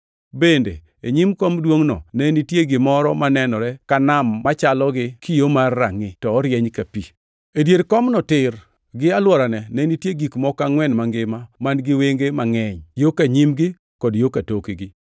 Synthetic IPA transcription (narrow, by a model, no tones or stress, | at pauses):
bendḛ | eɲimkɔmdwoŋnɔ̰nɛnitjeɡɪmɔɾɔmanɛnɔɾɛkanamːat͡ʃalɔɡɪkʰijomarːa̰ŋɪtɔːɾjɛɲkapi | edjeɾkɔmnɔtɪr | ɡɪalwɔɾanɛnɛnitjeɡikmɔkaŋwɛnmaŋɡɪmamanɡɪweŋɡemaŋɛɲjokaɲimɡɪ | kɔdjokatokiɡɪ